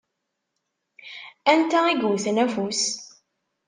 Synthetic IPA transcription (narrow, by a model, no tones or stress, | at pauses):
ænt̪æiɡuθnæfus